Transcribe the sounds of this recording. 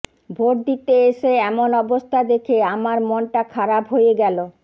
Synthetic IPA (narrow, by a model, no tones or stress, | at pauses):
bʱoʈ̚d̪it̪eeʃeɛmonɔbost̪ʰad̪ekʰeamaɾmɔnʈakʰaɾabɦojeɡɛlo